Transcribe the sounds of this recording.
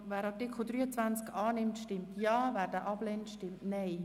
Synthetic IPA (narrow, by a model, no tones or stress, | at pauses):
væːɾɑtɪkʰlʊd̥ɾyːət͡sʋant͡skɑːnɪmtʃtɪmtʰjɑːvæːɾdɛʔɑblɛntʃtɪmtnɛɪ